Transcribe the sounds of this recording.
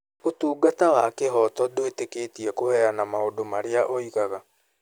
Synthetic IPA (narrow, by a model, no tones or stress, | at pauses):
otuːɡatawakeɦɔtɔdoetekeːtiɛkohɛɾanamaodomaɾeaʔɔiɣaɣa